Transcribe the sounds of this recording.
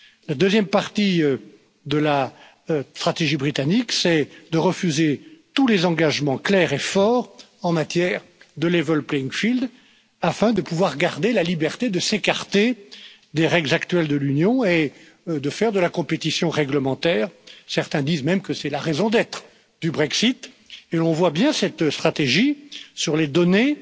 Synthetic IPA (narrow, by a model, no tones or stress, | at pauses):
lad̪øzjɛmpaʁt̪i | d̪əla | st̪χat̪eʒibʁit̪aniksɛd̪əʁəfyzet̪ulezɑ̃ɡaʒmɑ̃klɛʁefɔːʁ | ɑ̃mat̪jɛːʁd̪əlevɔlpleiŋfild̪ | afɛ̃d̪əpuvwaʁɡaʁd̪elalibɛʁt̪ed̪əsekaʁt̪e | d̪eʁɛɡlzakt̪ɥɛld̪əlynjɔ̃e | d̪əfɛʁd̪əlakɔ̃pet̪isjɔ̃ʁɛɡləmɑ̃t̪ɛːʁsɛʁt̪ɛ̃d̪izmɛmkəsɛlaʁezɔ̃d̪ɛt̪χ | d̪ybʁɛksit̪ | elɔ̃vwabjɛ̃sɛt̪st̪χat̪eʒisyʁled̪ɔne